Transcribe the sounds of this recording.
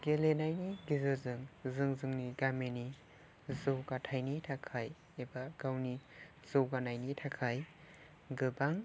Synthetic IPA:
ɡ̥elenajniɡizɯzɯŋzɯŋzɯŋniɡameni | zowɡatʰajnitʰakʰaj | ebaɡ̥awni | z̥owɡanajnitʰakʰaj | ɡɯbaŋ

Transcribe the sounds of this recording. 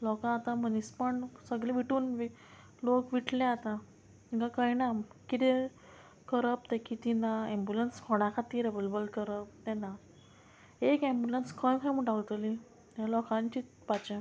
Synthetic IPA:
lɔkãːt̪ãm̤ənispəɳsəɡlẽʋiʈuːnʋi | lokʋiʈʰlẽat̪a | iŋkãkajnamkit̪e | kəɾəp̚t̪ɛkit̪inaẽmbjulenskʰɔɽ̃akʰat̪iɾeʋelebəlkəɾəp̚t̪ɛna | ekẽmbulenskʰə̃j̃kʰãm̤əɳʈaɡt̪əli | alɔkãnt͡ɕit͡spat͡ɕẽ

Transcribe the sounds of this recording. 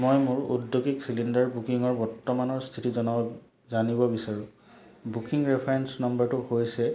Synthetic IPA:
mojmʊɹṵdjoɡiksilindaɹbukiŋɔɹbɔɹtːɔmanɔɹst̪ʰitizɔna | zanibɔbisaɹũ | bukiŋɹɛpʰaɹɛnsnɔmbaɹtʊhojsɛ

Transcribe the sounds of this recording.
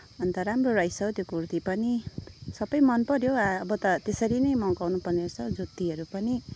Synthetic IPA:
ʌnt̪ʌɾamroɾajsʌt̪jokurt̪ipʌnisʌbʌjmʌnpʌɾjoaːbʌt̪ʌt̪esʌɾinʌjmʌwkawnupʌrnesʰʌd͡zut̪ːiɦʌɾupʌni

